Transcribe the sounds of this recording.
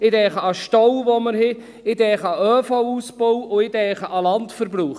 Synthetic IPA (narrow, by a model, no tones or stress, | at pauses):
ɪdɛːχəɑʃtɔwvoməɾhɪ | ɪdɛːχəɑœːfowusbowʊɪd̥ɛːχəʔɑlɑntfəɾbɾuːχ